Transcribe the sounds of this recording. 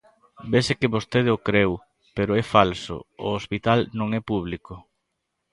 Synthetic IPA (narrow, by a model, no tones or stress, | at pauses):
besekɪβost̪eð̞ɪokɾew | peɾʊɛfalsʊ̰ʊ̰ospit̪alnõŋɛpuβlikʊ